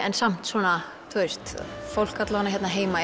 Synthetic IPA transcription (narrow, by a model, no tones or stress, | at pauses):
ɛ̰nsam̥t̪swɔːna | t̪ʰojst̪fowl̥kat̪laanaçjɛt̪naɦeːjma